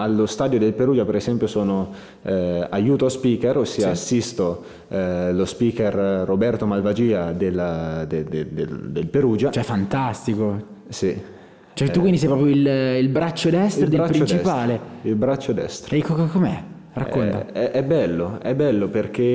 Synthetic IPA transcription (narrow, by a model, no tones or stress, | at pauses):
alːost̪aːd̪jod̪elpeɾuːd͡ʒapeɾezɛmpjosoːno | ajuːt̪oaspiːkeɾosːiːaːsːist̪o | lospiːkerːobɛrt̪omalvad͡ʒiːad̪elad̪ed̪ed̪ḛd̪elpeɾuːd͡ʒat͡ʃoɛfːant̪ast̪iko | si | t͡ʃoɛt̪ukwindisɛjpɾɔːpɾjoililbɾat͡ʃːod̪ɛst̪ɾed̪eɾapɾt͡ʃɾit͡ʃ̪t͡ʃipaːleilbɾat͡ʃːod̪ɛ̰st̪ɾekːokkːomeɛ̰ | ra̰kːont̪a̰ɛʔɛbːɛlːoɛbːɛlːoperk̟e